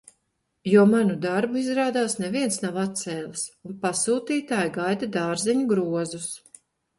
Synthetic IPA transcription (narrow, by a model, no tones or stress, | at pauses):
juɔmanud̪aɾbuizɾaːd̪aːsnɛviɛnsnawat̪sɛːlˠisunpasuːt̪iːt̪aːjɡajd̪ad̪aːɾzɛɲuɡɾuɔzus